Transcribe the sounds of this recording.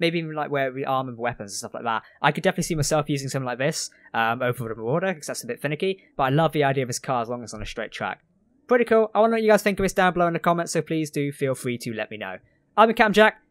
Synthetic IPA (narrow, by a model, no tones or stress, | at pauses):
meɪbiivnlaɪkwəwʔɑɹmə̃nwɛpə̃nzn̩stʌflaɪk̚ðæ̰t̚ʔaɪkɨdɛfənətˡlisimaɪsɛlˠfjʉzɪ̃ŋsʌ̃mθɪ̃laɪk̚ðɪsʌ̃moʊpə̃n̩fɾə̃məwɔɹɾəkʰʌz̥ðætsəbɪtfɪ̃nɨkib̥ʌɾaɪlʌvðiaɪdiəʌvɪz̥kʰɑɹəzlɔ̃ŋəzn̩əstɹ̥eɪtʰɹ̥æ̰k | pʰɹ̥ɪɾikʰulˠaɪwɑ̃ndəwət͡ʃɨɡaɪz̥θɪ̃ŋkʌv̥ɨsd̥ãʊ̃nmbloʊɪ̃ŋɨkʰɑmɛ̃ntsoʊpʰl̥izdɨfilˠfɹitʰɨlɛ̰ʔ̚mino̰ʊ | ãɪ̃mɨkʰæ̃md͡ʒæk̚